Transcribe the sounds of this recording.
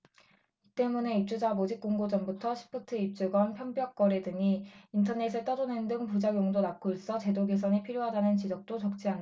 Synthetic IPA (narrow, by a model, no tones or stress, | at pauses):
it͈e̞mune̞ip̚t͡ɕ͈ud͡ʑamod͡ʑik̚k͈oŋɡod͡ʑʌmbutʰʌɕʰi̥pʰɯtʰɯip̚t͡ɕ͈uɡwʌnpʰjʌmbjʌk̚k͈ʌɾe̞dɯɲiintʰʌne̞s̬ʰet͈ʌdone̞ndɯŋpud͡ʑaɡjoŋdonak͈ʰois͈ʌt͡ɕe̞doɡes̬ʰʌɲipʰiɾjoɦadanɯnt͡ɕid͡ʑʌk̚t͈ot͡ɕʌk̚t͡ɕ͈ianː